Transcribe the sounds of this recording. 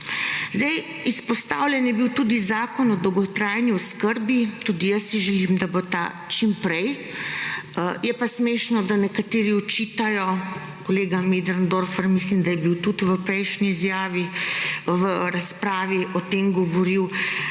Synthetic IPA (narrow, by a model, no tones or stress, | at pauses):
zd̪ɛj | ispɔst̪awlʲjɛnjɛbiwt̪ud̪izaːkɔnɔd̪ɔwɡɔt̪ɾaːjniɔskəɾbit̪uːd̪ijəsːiʒɛlimd̪abot̪a̰ | t͡ʃimpɾɛj | jɛpasmeːʃnɔd̪anɛkat̪eːɾiɔt͡ʃiːt̪ajɔ | koleːɡamid̪ɾand̪oɾfəɾmislimd̪ajɛbiwt̪ut̪ʋəpɾɛjʃniːzjaːʋi | ʋəɾaspɾaːʋiʔɔt̪emɡɔʋɔɾiw